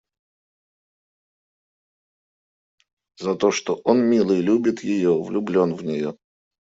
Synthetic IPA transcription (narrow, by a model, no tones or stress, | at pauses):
zɐt̪oʂt̪oʔonmʲilˠɨjlʲubʲɪt̪jɪjovlʲʊblʲo̞nvnʲɪjo